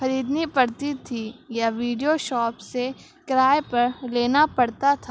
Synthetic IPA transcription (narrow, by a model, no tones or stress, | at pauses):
xɐɾiːd̪nipɐɽt̪it̪ʰijaʋiːɖijoʃɔːpse | kɾaːjpɐɾleːnapɐɽt̪at̪ʰa